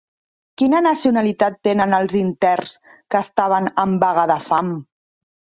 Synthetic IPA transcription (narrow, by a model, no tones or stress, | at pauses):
kinənəsiunalit̪at̪ːenənəlˠzint̪ɛrs | kəːst̪aβ̞ənəmbaɣəðəfam